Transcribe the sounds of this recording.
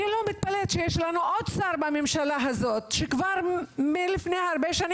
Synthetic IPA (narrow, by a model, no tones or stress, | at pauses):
ilomit̪̚palet̪ʃejeʃlanuʔo̞d̪saʁbamemʃalaɦazot̪ʃekvaʁmelifnejhaaʁbeʃani